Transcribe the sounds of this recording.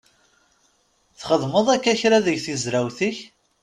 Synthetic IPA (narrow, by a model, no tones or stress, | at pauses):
θχəðˤməðˤækːæçɾaðəʝθizɾæwθiç